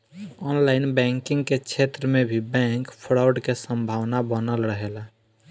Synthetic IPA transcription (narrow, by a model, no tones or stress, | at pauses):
ɔnlaɪnbɛ̃ŋkɪ̃ŋɡket͡ʃʰet̪ɾəmẽbʱibɛ̃ŋkpʰɾaʊɖkesə̃mbʱawnabənəlɾəɦela